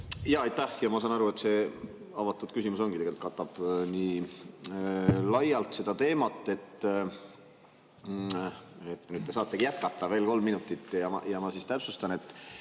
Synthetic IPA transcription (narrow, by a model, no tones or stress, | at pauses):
jɑɑjt̪ˑæhjɑmɑsɑnɑɾue̞t̪se̞ː | ɑvɑt̪ːˑud̪̥kysimuso̞ŋɡ̥it̪eɡelt̪kɑt̪ːɑb̥niː | lɑjɑlt̪se̞d̪̥ɑt̪e̞ːmɑt̪ːˑe̞t̪ː | et̪ːnyd̪̥̚t̪esɑːt̪ːˑe̞ɡijæt̪̚kɑt̪ˑːɑve̞ːlko̞lmːinut̪ːˑit̪ːˑjɑɑ̰jɑmɑsist̪æpsust̪ɑne̞t̪ːˑ